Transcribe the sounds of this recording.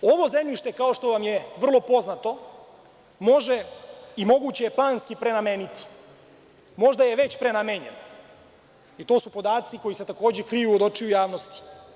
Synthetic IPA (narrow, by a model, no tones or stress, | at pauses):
oʋo̞zemʎiʃt̪e̞kao̞ʃt̪o̞ʋamjeʋr̩lˠo̞po̞znat̪o̞ | mo̞ʒe̞imo̞ɡuːt͡ɕejeplˠaːnskipɾe̞nameːnit̪i̥ | mo̞ʒd̪ajeʋe̞t͡ɕpɾe̞nameɲeno | it̪o̞ːsupo̞d̪aːt̪siko̞jise̞t̪akoːd͡ʑekɾijuod̪o̞t͡ʃiujaːʋno̞st̪i̥